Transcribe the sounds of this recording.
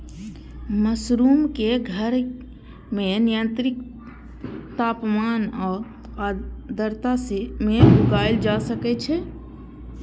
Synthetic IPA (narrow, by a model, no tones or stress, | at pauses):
məsɾuːmkeɡʱəɾ | menijə̃nt̪ɾɪk | t̪aːpmaːnɔːɾ | ad̪əɾt̪asemeʊɡajld͡ʒasəkɛt͡ʃʰɛ